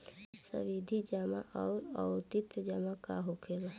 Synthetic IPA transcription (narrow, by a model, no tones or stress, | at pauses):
sə̰ʋid̪ʱid͡ʒamaʔɔːɾɔʊɾt̪it̪d͡ʒəmakaɦokʰela